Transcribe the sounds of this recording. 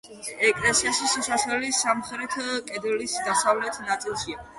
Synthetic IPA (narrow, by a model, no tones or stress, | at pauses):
ɛkʼlɛsiaʃisusaχɛlisamχɾɛt̪ʰkʼɛd̪ɛlisd̪asavlɛt̪ʰnat̪sʼilˠʃia